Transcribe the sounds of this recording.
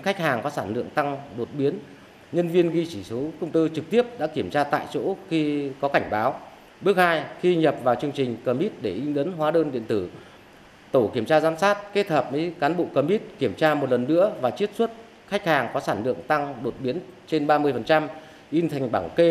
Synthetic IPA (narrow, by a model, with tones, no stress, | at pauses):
xa˦˥jk̟̚haː˨˩ŋkɔ˨˦saː˧˩nlɨ̰˧˨əŋt̪a˧ŋɗo˨˩t̚ɓi˨˦n | ɲə˧nvi˧ənɣi˧t͡ɕi˧˩so˨˦kʊ˧wŋ͡mt̪ɨ˧t͡ɕɨ˨˩k̚t̪i˦˥əp̚ɗa̰ː˧˥ki˧˩əmt͡ɕaː˧t̪a̰ː˧˨jt͡ɕo̰˧˥xi˧kɔ˨˦ka˧˩jŋ̟ɓaː˨˦w | ɓɨ˦˥ək̚haː˧jxi˧ɲə˨˩p̚vaː˨˩wt͡ɕɨ˧əŋt͡ɕï˨˩ŋ̟kəː˧˩mi˦˥t̚ɗe˧˩ʔi˧nɗə˨˦nɦwaː˨˦ɗəː˧nɗḭ˧˨ənt̪ɨ˧˩ | t̪o˧˩ki˧˩əmt͡ɕaː˧zaː˨˦msaː˦˥t̚ke˦˥t̚t̪ʰəː˨˩p̚mə˨˦jkaː˨˦nɓo̰˧˨kəː˧mi˦˥t̚ki˧˩əmt͡ɕaː˧m˨˩t̚lə˨˩nːɨ̰˧˥əvaː˨˩t͡ɕi˦˥ət̚swə˦˥t̚ | xa˦˥k̟̚haː˨˩ŋkɔ˨˦saː˧˩nlɨ̰˧˨əŋt̪a˧ŋɗo˨˩t̚ɓi˨˦ənt͡ɕe˧nɓaː˧mɨ˧əjfə˨˩nt͡ɕa˧m | ʔi˧nt̪ʰa˨˩ŋ̟ɓaː˧˩ŋke˧